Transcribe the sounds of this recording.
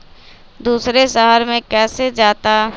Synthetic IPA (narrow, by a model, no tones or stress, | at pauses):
d̪uːsɾesɐɦəɾmẽkɛːsed͡ʒaːt̪a